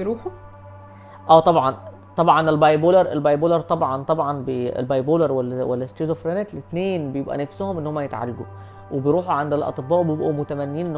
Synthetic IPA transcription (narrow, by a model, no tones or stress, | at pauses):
ɾuːħu | ʔæːt̪ˤɑbʕɑn | t̪ˤɑbʕɑnelbɑjboːlɑɾˤʔelbɑjboːlɑɾˤt̪ˤɑbʕɑnt̪ˤɑbʕɑnbeḛlbɑjboːlɑɾˤwælːæwælːæst̪iːzofɾæneklet̪neːnbejebʔæ̰næfsohomʔenːohomːæjet̪ʕa̰ɾeɡṵ | webejɾˤuːħuʕand̪ælʔɑ̰t̪ˤɨbːɑːʔwebejebʔumot̪æmænːejiːnʔenː